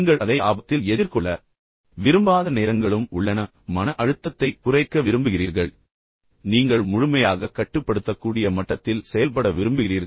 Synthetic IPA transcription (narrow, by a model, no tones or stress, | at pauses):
ŋɡɐɭʔɐðɐɪa̰ːbɐt̪ːɪlɛðɪɾkɔɭːɐ | ʋɪɾɯmbaːðɐneːɾɐŋɡɐɭɯmʊɭːɐnɐː | ɐnɐʔɐɻɯt̪ːɐt̪ːɐɪkʊrɐɪkːɐʋɪɾɯmbɯɣɪriːɾɣɐɭ | niːŋɡɐɭmʊɻʊmɐjaːɣɐkːɐʈːɯpːɐɽɯt̪ːɐkːuːɽɪjɐmɐʈːɐt̪ːɪlsɛjɐlpɐɽɐʋɪɾɯmbɯɣɪriːɾ